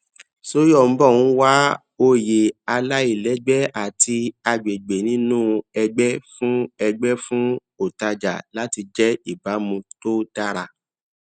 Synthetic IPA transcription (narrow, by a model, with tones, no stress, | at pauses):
so˦jɔ˦˨m̩˦bɔ˦˨wũ˨˦wa˦ | o˦je˨a˧la˦i˦˨lɛ˨˦ɡ͡bɛ˦a˨tʰi˧a˧ɡ͡be˨ɡ͡be˨nĩ˨˦nũ˦ɛ˧ɡ͡bɛ˦fũ˦ɛ˧ɡ͡bɛ˦fũ˦ | o˨ta˧d͡ʒa̰˨la˦ti˧d͡ʒɛ˦i˦˨ba˨˦mũ˧to˦ta˦ɾa˧